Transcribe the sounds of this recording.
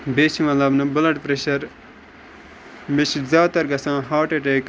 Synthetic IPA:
beːt͡ʃimɐlɐbnɐbʊlɐʈpɾeʃɐɾ | meʃzaːt̪ɐɾɡɐsãːɦaːʈeʈeːk

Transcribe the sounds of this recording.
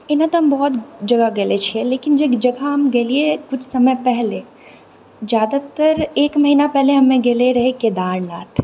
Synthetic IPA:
ɪnɦãt̪ɦɐmbɔɦɔt̪d͡ʒɐɡaɡelet͡ʃʰiɛleːkɪnd͡ʒed͡ʒɐɡʱaɦɐmɡeːliekʊt͡ʃʰsɐməjpɛɦle | d͡ʒjaːd̪at̪əɾeːkmɐɦiːnapɛɦleɦɐmẽɡeleɾɐɦeked̪aːɾɽnaːt̪ʰ

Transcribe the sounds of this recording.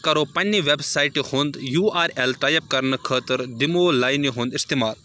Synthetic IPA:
kɐɾopɐnːiʋebsaːjʈihoːnd̪juːaːɾelʈajɐp̚kɐɾnəkʰəːt̪əɾd̪imoːlaːjniɦõːnd̪ist̪emaːl

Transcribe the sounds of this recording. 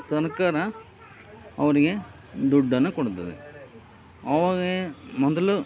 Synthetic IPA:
sɐɾkaːɾɐ | ɐ̰ʋɐɾiɡe̞ | d̪ɔɖːɐnːukɔɽut̪ːɐd̪ḛ | ɐːʋaːɡemɔd̪ɐlu

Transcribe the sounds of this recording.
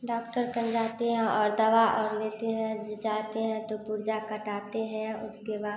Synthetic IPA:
ɖɔːkʈəɾkɐ̃nd͡ʒaːt̪eɦɛ̃ʔɔːɾd̪ɐʋaʔɔːɾleːt̪eɦɛ̃d͡ʒaːt̪eɦɛ̃t̪opʊɾd͡ʒakɐʈaːt̪eɦɛ̃ʊskebaː

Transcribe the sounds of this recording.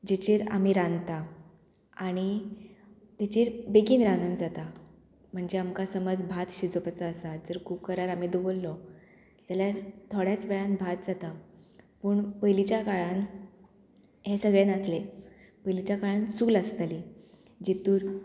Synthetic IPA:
d͡ʑet͡ɕiɾa̰miːɾãnt̪a | aɽ̃i | t̪et͡ɕiɾbekiːnɾanund͡zat̪a | m̤əɳd͡ʑeamkasəməd͡zbʱat̪ɕid͡zopat͡saːsad͡zəɾkukəɾaɾamid̪ubolːɔ | d͡zaljaɾt̪ʰoɽjat͡sʋɛɭãnbʱat̪̚d͡zat̪apuːɳpəjlit͡ɕjakaɭan | ɦesəɡɭenəsle | pəjlit͡ɕjakaɭãnsuːləst̪ali | d͡ʑit̪uːɾ

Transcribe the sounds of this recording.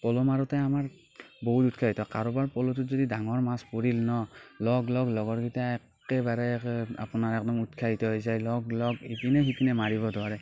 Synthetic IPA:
pɔlɔmaɹɔtɛamaɹ | bɔɦututkʰaɦitɔkaɹɔbaɹpɔlɔtuzodidaŋɔɹmaspoɹilnɔlɔɡlɔɡlɔɡɔɹɡitaɛk | ɛbaɹɛa̰punaɹɛk̚dɔmutkʰaɦitɔɦojzajlɔɡlɔɡipinɛɦipinɛmaɹiβɔdwaɹɛ

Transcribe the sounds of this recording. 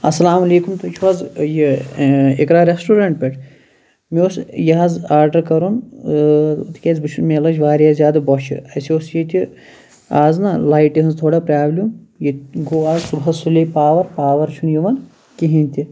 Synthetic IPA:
ɐsːɐlaːmɐleːkumt̪ut͡ʃʰuʋɐzji | ekɾaːɾesʈuːɾɐɳʈ̚pʲeʈʰ | miosjɐɦɐzaːɾɖɐɾkɐɾon | t̪ʰi̥kʲezbɨt͡ʃʰunmelɐd͡ʒʋaːɾjaːzʲjaːd̪ɐbɔt͡ʃʰḭɐsioːsjet̪ʲi | aːznalaːjʈiɦɐnzt̪ʰoːɽaːpɾʲaːblʲumjiɡoːaːzsubɦɐzsulʲepaːʋɐɾpaːʋɐɾt͡ʃʰunjiʋɐn | kiɦinʲt̪ʲi

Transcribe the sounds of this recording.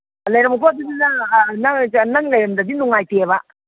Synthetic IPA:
lɐjɾɐmɐkʰoɐd̪udinɐnɐŋnɐŋlɐjɾɐmdɐdinuŋajtebɐ

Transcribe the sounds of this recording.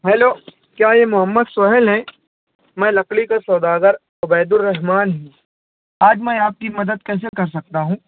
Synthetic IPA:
ɦɛːloː | kjaːjemʊɦəmːəd̪sʊɦɪlɦɛ̃ː | mɛ̃ːlɐklikasɔːd̪aːɡəɾ | ʊbɛːd̪ʊlːɐɦmaːnɦĩː | aːd͡ʒmɛ̃aːp̚kimɐd̪əd̪̚kɛːs̬ekɐɾsɐk̚t̪aɦũː

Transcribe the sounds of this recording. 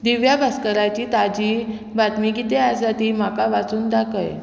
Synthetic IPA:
d̪iʋjabʱaskəɾat͡ɕiːt̪ad͡ʑiː | bat̪miɡit̪easat̪iːmakaʋat͡suːnd̪akəj

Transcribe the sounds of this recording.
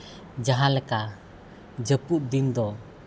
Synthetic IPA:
d͡ʒaɦãlɛka | d͡ʒəput̪̚d̪ind̪ɔ

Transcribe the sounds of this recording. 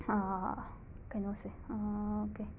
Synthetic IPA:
a | okenoseaoke

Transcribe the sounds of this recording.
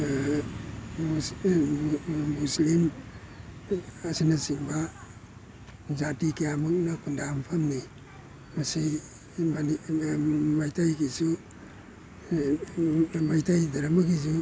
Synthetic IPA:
mu | muslim | sinasiŋba | zatikijamuk̚nɐkʰundampʰamni | masi | mani | majtʰajkisu | majtʰajdɐɾamakis̬u

